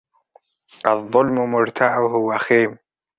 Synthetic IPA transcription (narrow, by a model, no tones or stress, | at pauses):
ʔɑðˤːʊlmʊmʊɾt̪ʰaʕʊɦʊwaxeːm